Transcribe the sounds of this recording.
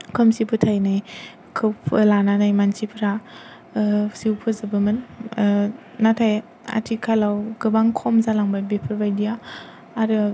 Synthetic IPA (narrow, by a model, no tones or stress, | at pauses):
kʰɯmsipʰɯtʰajnaj | kʰɯpʰɯlananajmansipʰɾa | siwpʰɯzɯbɯmɯn | atʰaj | a̰tʰikʰalawɡɯbaŋkʰɔmzalaŋbabepʰɯɾbajdijaː | ɾɯ